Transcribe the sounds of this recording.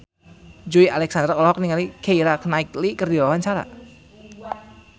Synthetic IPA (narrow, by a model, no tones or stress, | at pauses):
d͡ʒuialɛksand̪rɔlɦɔk̚niŋalikʰeiɾaknaɪklikərdiwawaɲt͡ʃaɾa̰